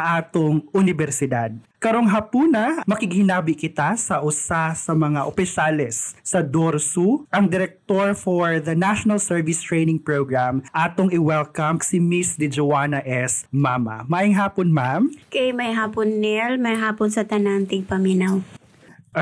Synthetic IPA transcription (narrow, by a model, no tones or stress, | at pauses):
ʔaːt̪oŋʔʊnɪbɛɾsɪd̪ad̪̚ | kɐɾoŋɦɐpuːnɐmɐkɪɡhɪnaːbɪkɪt̪asɐʔʊsasɐmɐŋaʔopɪsalɛsːɐd̪oɾsuʔɐŋd̪ɪɾɛk̚t̪oɹfoɹðɐnaʃonɐlsɛɹvɪst̪ɹɛjnɪŋpɹoɡɹamʔaːt̪oŋɪwɛlkɐmksɪmisd̪ɪd͡ʒowaːnɐʔɛsmaːmɐ̰maːʔɪŋɦaːponmamkɐjmɐjɦaːponːɛlmɐjɦaːponsɐt̪ɐnant̪ɪŋpɐminaw